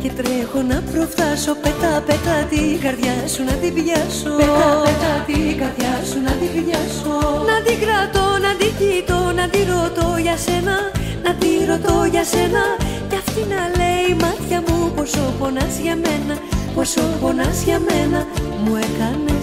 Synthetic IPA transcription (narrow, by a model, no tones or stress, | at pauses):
ce̞t̪ɾe̞xo̞nɐpɾo̞ft̪ɐso̞pe̞t̪ɐpe̞t̪ɐt̪iɡɐɾðʝɐsunɐt̪ivʝɐsopeɐpet̪ɐt̪iɡɐɾðʝɐsunɐt̪ibʝɐsonɐd̪iɡɾɐt̪o̞nɐd̪icit̪o̞nɐd̪iɾo̞t̪o̞ʝɐse̞nɐnɐd̪iɾo̞t̪o̞ʝɐse̞nɐceɐfçinɐle̞imɐt̪çɐmupo̞so̞ɣo̞nɐzʝɐme̞nɐ | posoɣo̞nɐzʝɐmenɐmuekɐne̞